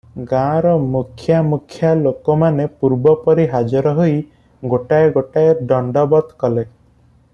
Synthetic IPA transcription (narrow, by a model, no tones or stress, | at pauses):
ɡãɾɔmukʰjamukʰjalokɔmanepuɾbɔpɔɾiɦad͡ʒɔɾɔɦoj | ɡoʈaeɡoʈaeɖɔɳɖɔbɔt̪kɔle